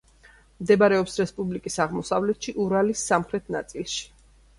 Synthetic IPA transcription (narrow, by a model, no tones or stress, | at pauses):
md̪ɛbaɾɛɔpsɾɛspʼublikʼisaʁmɔsavlɛt̪ʰʃiʔuɾalisːamχɾɛt̪ʰna̰t̪sʼilˠʃi̥